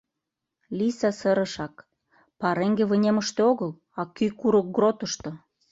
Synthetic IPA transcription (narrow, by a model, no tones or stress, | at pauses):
lisɑsə̆ɾə̆ʃɑk | pɑɾeŋɡeβə̆nʲemə̆ʃt̪eoɣəl | ɑkykuɾŏk̚ɡrot̪ə̆ʃt̪ŏ